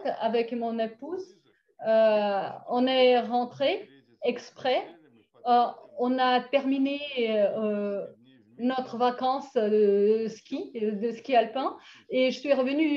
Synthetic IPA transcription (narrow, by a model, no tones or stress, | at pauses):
a̰vɛkmɔ̃nepuz | ø | ɔ̃nɛʁɑ̃t̪χe | ɛkspχɛ | ɔ̃nat̪ɛʁmineø | nɔt̪χəvakɑ̃sd̪əskʲid̪əskʲialpɛ̃eʒəsɥiʁəvəny